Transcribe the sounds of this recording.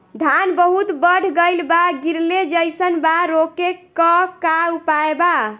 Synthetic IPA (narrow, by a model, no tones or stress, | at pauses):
d̪ʱanbəɦut̪bəɽʱɡəjlbaɡiɾled͡ʒəjsənbaɾoke | əkaupaeba